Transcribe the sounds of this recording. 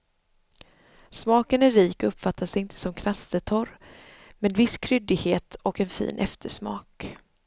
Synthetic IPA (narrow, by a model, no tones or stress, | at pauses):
smɑːkənæːiːkɔɵpːfat̪ʰːasɪnt̪ʰə̥sɔmkʰɾast̪ət̪ʰɔɾ | mɛnvɪskʰɾʏd̪ɪɡheːt̪ɔkɛnfḭːnʔɛft̪ʰəʂmɑ̰ːk